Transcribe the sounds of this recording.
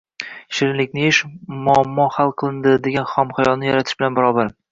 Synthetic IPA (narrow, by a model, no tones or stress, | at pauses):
ʃɪɾɪnlɪkʲnɪɪʃmʊamːɒhalˠqʰɨlˠɪnd̪ɪd̪e̞ɡʲanχɒmχajɒlˠnɪjaɾat̪ʰɪ̥ʃbɪlanbɪɾɒbaɾ